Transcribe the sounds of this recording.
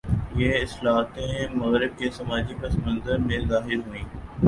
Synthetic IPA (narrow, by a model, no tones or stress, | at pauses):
jeːɪslaːɦt̪ẽmɐɣɾɪb̚kesɐmaːd͡ʒipɐsmə̃nzəɾmẽzaːɦɪɾɦʊĩː